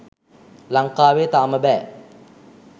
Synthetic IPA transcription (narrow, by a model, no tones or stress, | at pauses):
laŋkaːʋeːt̪aːməbɛː